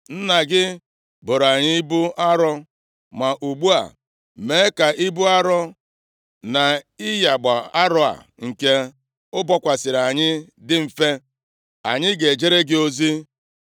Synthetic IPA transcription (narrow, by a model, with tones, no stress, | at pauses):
n̩˦na˨ɡɪ˦ | bo˨ɾa˨ɲɪ˦i˦bu˦ʔa˦ɾɔ˦ | ma˨ʔu˨ɡ͡bu˦a̰˨ | me˨˦ka˨i˦bu˦a˦ɾɔ˦ | na˨ɪ˦ja˨ɡ͡ba˨a˦ɾɔ˦a̰˨ | ŋ̩˨ke˦ | ʊ˦bɔ˦kʷa˨sɪ˨ɾa˨ɲɪ˦ | dɪ˦m̩˨fe˦ | a̰˨ɲɪ˦ɡe˨d͡ʒe˦ɾe˦ɡɪ˦o˦zi˦